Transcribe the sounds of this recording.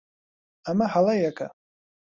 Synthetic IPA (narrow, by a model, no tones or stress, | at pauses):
amahalajakʰa̰